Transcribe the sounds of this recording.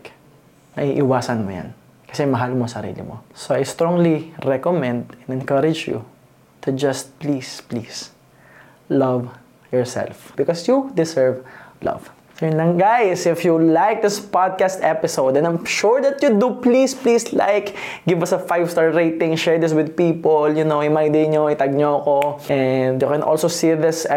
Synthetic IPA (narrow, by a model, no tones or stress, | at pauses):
mɐ̰ʔiːʔɪwaːsɐnmo̰ja̰n | kɐ̥sɛmɐɦalmosɐɾḭːlɪ̰mo̰soɐjst̪ɾɔ̃ŋliɹɛkomɛ̃nd̪ɛ̃nɛnkɐɾɪd͡ʒjṵ | t̪ʰʊd͡ʒɐst̪̚plisplis | lɐv | jɔɹsɛ̰lfb̥ɪkɔsjud̪ɪsɛɹvlɐ̰v̥ | ɛnlɐ̃ŋɡajsɪfjulajk̚d̪ɪspad̪̚kast̪ɛpɪsowd̪ɛ̃nãj̃mʃuɹd̪ɐt̪jʊd̪uplisplisla̰jk | ɡɪvɐsɐfajv̥st̪aɹɹeɪt̪ɪ̃ŋʃɛɹd̪ɪswɪd̪̚piːpoljʊnowhɪmajd̪ɪɲoɪt̪ɐɡ̚ɲoɐkoʔɛnd̪jʊkɛ̃nʔo̰lsosiðɪs